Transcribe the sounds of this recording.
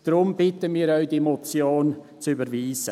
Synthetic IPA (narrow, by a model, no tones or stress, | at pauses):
d̥ɾʊmbɪtəmiːɾœʏd̥iemot͡sjoːn | t͡sybəɾviːsə